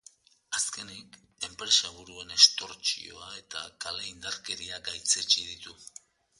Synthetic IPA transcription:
aske̞nik | e̞mpɾe̞saβuɾue̞ne̞st̪o̞ɾt͡ʃḭo̞̰ae̞t̪akaleind̪aɾke̞ɾiaɡajt͡set͡ʃiðit̪u

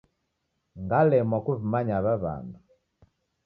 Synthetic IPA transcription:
ŋɡalɛmwakuβimaɲaβaβa̰ndu

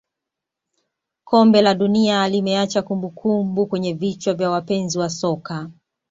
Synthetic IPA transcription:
kʰɔmbɛlaɗunialimɛat͡ʃakumbukʰumbukwɛɲɛvit͡ʃɔvjawapɛnziwasɔka

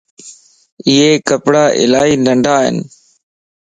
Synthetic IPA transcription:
ɪeːkəpɽaːʔɪ̰laːiːnəɳɖʱaːɦɪ̰n

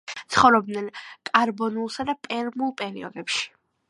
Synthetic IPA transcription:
t̪sʰχɔvɾɔb̚d̪nɛnkʼaɾbɔnulˠsad̪apʼɛɾmulˠpʼɛɾiɔd̪ɛpʃi̥

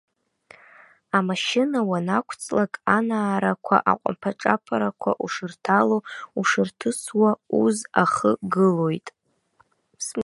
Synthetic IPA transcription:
amaʃɪnawanakʷʰt͡sʼlakʼanaːɾakʷʰa̰ʔa̰qʷʼa̰mpʰaʈ͡ʂʼapʰaɾakʷʰa̰ʔuʂɨrtʰalouʂɨrtʰɨswauzaχəɡɨlo̞jtʼ

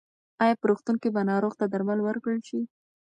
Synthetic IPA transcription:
ɑjɑpəɾoxt̪uŋkebanɑɾoɣt̪ad̪aɾmalwəɾkɽəlʃi

